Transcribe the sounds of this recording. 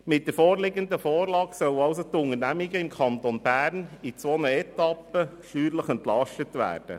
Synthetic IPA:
mɪt̚d̥əɾfoːɾlɪɡənd̪əfoːɾlɑːɡsœlɑʊsot̪ʊŋəɾnæmiɡəɪmkʰɑntonbæːɾnit͡sʋɔnəɛt̪ɑpːə | ʃyːɾləχɛnt̪lɑʃtətʋæ̰ːrd̥ə̰

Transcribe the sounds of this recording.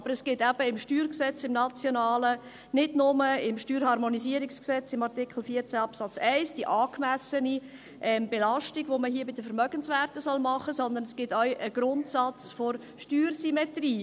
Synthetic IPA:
ɑb̥əɾɛsɡ̥ɪtæb̥əɪmʃtyːɾksɛt͡sɪmnɑt͡sjonɑːlə | nɪdnʊməɪmʃtyːɾhɑɾmonisiəɾiksksɛt͡sɪmɑɾtikχl̩fiət͡sæɑpsɑt͡sæɪsd̥iʔɑːkmæsəni | ʔɛmb̥elɑʃtiɡ̥ʋoməɦiəbɪd̥̪əfəɾmœɡ̥ənsʋæːɾtəsɔlmɑχəsɔnd̪ənɛsɡ̥ɪtœɥʔəɡ̥ɾʊntsɑt͡sfoɾ | ʃtyːɾsymɛt̪riː

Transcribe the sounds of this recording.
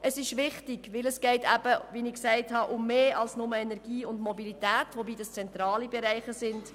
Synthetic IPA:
əsɪʃʋɪχtɪɡ̥ʋɪləsɡ̥ɛɪtʰæb̥əʋinɪksæɪthɑʔʊmːeːɑlsnʊməɛnɛɾɡ̥iːʊndmɔbilitæːtʋobiːdɑst͡sɛnt̪ɾɑːlibɛɾæɪχəsɪnd̥

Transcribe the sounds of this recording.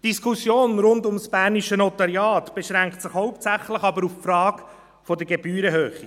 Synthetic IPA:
d̥iskʰusjoːnɾʊndʊmsb̥æːɾniʃənɔt̪ɑɾjɑːt̪b̥eʃɾæŋktsɪχhɔʊptt͡sæχləχɑbəɾuffɾɑːkɡ | fɔdəɡebyːɾəɦøːχi

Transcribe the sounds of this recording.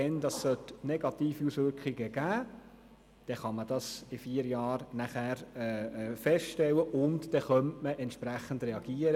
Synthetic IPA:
ɛndɑsːœtnɛɡ̥ɑtiːfiusʋʏɾkχɪɡəɡ̥æː | d̥ɛχɑməd̥ɑsɪfiːəɾjɑːɾnæχæːɾɛːfɛsʃtɛwəʔʊntd̥ɛχœntməʔɛntʃpɾæχəndrɛɑɡ̥iːəɾə

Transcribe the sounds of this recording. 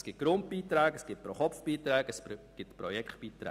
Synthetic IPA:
sɡ̥ɪt̚ɡ̥ɾʊnt̚b̥iːt̪ɾɛːɡ̥əsɡ̥ɪt̚pɾoχɔpfb̥iːt̪ɾɛːɡ̥əsɡ̥ɪtpɾojɛkχtb̥iːt̪ɾɛ̰ː

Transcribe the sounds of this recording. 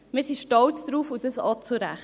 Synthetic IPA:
mɪːɾsiʃtɔlt͡sd̥ɾuːfud̥əsɑt͡suɾæχ

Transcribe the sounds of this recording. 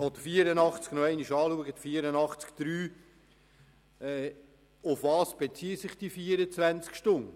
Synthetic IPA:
od̪əfiːəɾənɑχt͡sknɔɛɪniʃɑːluəɡət̪fiːəɾənɑχt͡skd̪̥ɾyː | ɛ | ʊfvɑːsb̥et͡siːəsɪχd̥ifiːəɾət͡svænt͡skʃtʊnə

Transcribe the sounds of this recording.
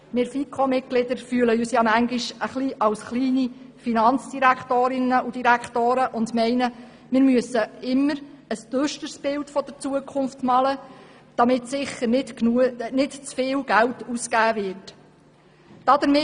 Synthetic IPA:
mɪɾfikʰomɪt̚ɡ̥lɪd̪əɾfyələyːsjɑmæŋɡɪʃəχliʔɑlsχliːni | finɑnt͡sd̥iɾækχtoːɾɪnəʔud̥iɾækχtoːɾəʔʊndmɛɪnə | mɪːɾmyəsəɪmːəɾ | əstøʃtəɾsb̥ɪltfɔd̥əɾt͡suəkʰχʊnftmɑlə | d̥ɑmɪtsɪχəɾnɪtnunɪtt͡sfɪːlɡ̥æltuskæːvɪɾt | d̥ɑd̥̪əɾmɪ

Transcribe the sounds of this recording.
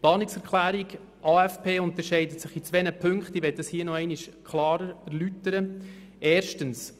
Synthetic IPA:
plɑːnɪksɛɾkʰlæːɾiɡ | ʔɑːɛfpʰeːʊnt̪əɾʃɛɪdətsɪχit͡sʋɛnəpʰɵŋkχtiʋɛt̚dəshiːənɔɛɪniʃkχlɑːɾəɾæɾlytəɾə | ɛːɾʃtəns

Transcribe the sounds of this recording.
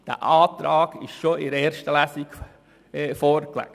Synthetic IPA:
d̥æ̰ʔɑːt̪ɾɑːɡ̥ɪʃʃoɪɾɛːɾʃtəlæsik | fɔːɾklæ̰

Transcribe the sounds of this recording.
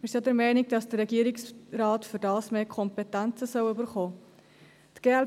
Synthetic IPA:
ɪsjɑdəɾmɛɪniɡ̚d̥ɑsd̥ərːɛɡiːɾiksrɑːtfyɾdɑːsmeːkʰɔmpɛtænt͡səsœwøbəɾχoː | tɡ̥eːɛl

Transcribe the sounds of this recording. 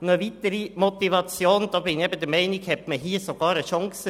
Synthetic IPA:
nəvit̪əɾimɔt̪ivɑt͡sjoːnd̪ɑːbɪniɛbəd̪əmɛɪnɪkhɛtməɦiːsoɡ̥ɑːɾəʃɑŋsə

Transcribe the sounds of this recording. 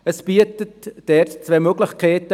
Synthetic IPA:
əsb̥iətətd̥ɛtt͡svɛːmøɡlɪxkʰɛːtə

